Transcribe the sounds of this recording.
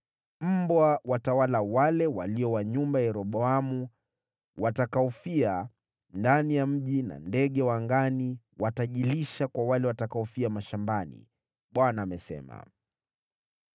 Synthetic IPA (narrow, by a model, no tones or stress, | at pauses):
m̩bwawatawalawalɛwaliɔwaɲumbajɛɾɔɓɔamu | watakaɔfia | ndanijam̩ʄina̰ndɛɠɛwaŋɡani | wataʄiliʃakwawalɛwatakaɔfiamaʃambanḭ | ɓwanaːmɛsɛ̰ma̰